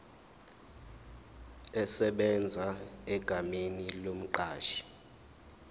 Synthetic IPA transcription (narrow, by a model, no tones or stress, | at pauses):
ɛsɛɓɛnd͡zʱaɛɡ̥ʱamenilom̩ǃaːʃi̥